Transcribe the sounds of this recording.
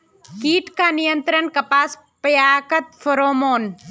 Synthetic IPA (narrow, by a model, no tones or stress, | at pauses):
kiːʈkanijənt̪ɾənkɐpaːs | pjaːkɐt̪fʰɐɾoːmoːn